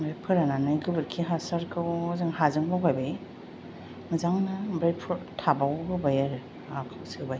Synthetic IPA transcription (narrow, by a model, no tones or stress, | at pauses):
ɾapʰɯɾananɯjɡɯbɯɾkʰiɦasaɾkʰɯwzɯŋhazɯŋbawkajba | mɯzaŋnabɾajpʰuɾtʰabawɡɯbajaɾ | apʰawsɯbaj